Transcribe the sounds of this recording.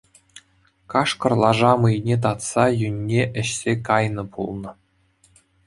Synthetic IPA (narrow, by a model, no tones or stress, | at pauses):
kɑʂkɤ̆rlˠɑʐɑmɯjnʲet̪̬ɑt̪sɑjynʲːeʔɘ̆ɕsʲekɑjnɤ̆pʰulˠnɤ̆